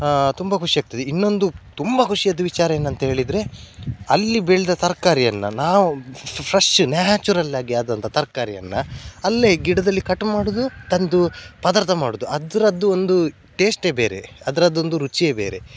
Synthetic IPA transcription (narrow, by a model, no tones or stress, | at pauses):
t̪umbɐkʰuʂiaːɡ̚t̪ːɐd̪einːo̞nd̪ut̪umbɐkʰuʂijɐd̪ːuʋit͡ʃaːɾɐje̞ːnːɐnt̪ɐɦe̞ːɭid̪ɾe̞ɐlːibeːɭid̪ɐt̪ɐɾkaːɾijɐnːɐnaːʋupʰɾɐʂʈunaːt͡ʃuɾɐlːaːɡiaːd̪ɐnt̪ʰɐt̪ɐɾkaːɾijɐ̰nːɐɐlːeɡiɽɐd̪ɐlːikɐʈmaːɽud̪ut̪ɐnd̪upɐd̪aːɾt̪ʰɐmaːɽud̪uɐd̪ɾɐd̪ːuond̪u | ʈe̞ːsʈe̞ːbḛːɾḛɐd̪ɐɾɐd̪ːo̞nd̪uɾut͡ʃie̞ːbḛːɾe̞̰